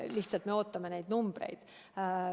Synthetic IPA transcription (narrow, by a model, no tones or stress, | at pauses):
liht̪sɑlt̪me̞o̞ːt̪ːɑmenejd̪̥numb̥rḛjd̪̥